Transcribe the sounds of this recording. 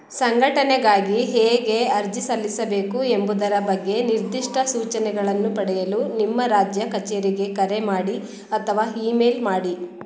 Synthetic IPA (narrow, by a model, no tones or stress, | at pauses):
sɐŋɡʱɐʈɐnɛɡaːɡiɦeːɡe̞ɐɾd͡ʒisɐlːisɐbe̞ːkuembud̪ɐɾɐbɐɡːe̞niɾd̪iʂʈʰɐsuːt͡ʃɐnɛɡɐɭɐnːupɐɽɛjɐlunimːɐɾaːd͡ʒjɐkɐt͡ʃeɾiɡe̞kɐɾemaːɽi | ɐt̪ʰɐʋaːiːmeːlmaːɽi